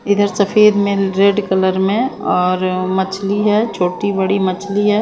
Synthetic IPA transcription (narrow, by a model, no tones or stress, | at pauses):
ɪd̪ʱəɾsɐfʰeːd̪mẽɾeːɖkɐləɾmẽɔːɾmɐt͡ʃʰliɦɛt͡ʃʰoːʈibɐɽimɐt͡ʃʰliɦɛː